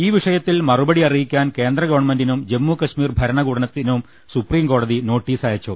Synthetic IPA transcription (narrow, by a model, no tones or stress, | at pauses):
iːʋiʂɐjɐt̪ːilmɐrubɐɽiɐrijikʲːaːnke̞ːnd̪rɐɣɐʋɐɳmendinumd͡ʑemːukɐɕmiːrbʱɐɾɐɳɐɡuːɽɐnɐt̪ːinum | supriːmko̞ːɽɐðino̞ːʈːiːsaːjɐt͡ɕːu